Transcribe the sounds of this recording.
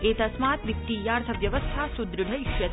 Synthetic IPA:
et̪ɐsmat̪ʋik̚t̪ijaːɾt̪ʰɐʋjɐʋəst̪ʰasud̪ɾɨɡʱɐiʃjɐ

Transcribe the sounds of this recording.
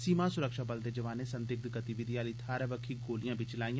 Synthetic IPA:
siːmãːsʊɾəkʃaːbəld̪eːd͡ʒəʋaːneːsə̃nd̪ɪk̚d̪ɡət̪iʋɪd̪ijaːliːt̪ʰaːɾəʋəkʰːiːɡoːlijãːbʱiːt͡ʃɪlaːijãː

